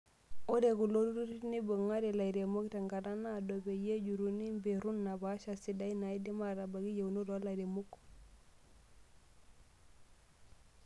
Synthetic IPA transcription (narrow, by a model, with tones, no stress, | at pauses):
o˦de˨ku˨lo˦tu˦ɾu˦ti˦tni˦bo˨ŋa˦ɾe˨la˨i˨ɾe˨mo˦kta˨ŋɡa˨da˦na˦˨do˨be˨je˦d͡ʒu˨ɾu˨ni˦mbe˨ɾu˦nːa˨ba˨˦ʃa˨si˨da˦i˦na˨i˦di˦ma˦ɾa˨ba˨ɡi˦je˨u˨no˦do˨a˦la˨i˨ɾe˨mu˦k